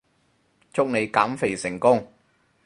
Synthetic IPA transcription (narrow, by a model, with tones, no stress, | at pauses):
t͡sʰʊ˥k̚ne˨˧jkaː˨˥mfe˨˩jsɪ˨˩ŋkʊ˥ŋ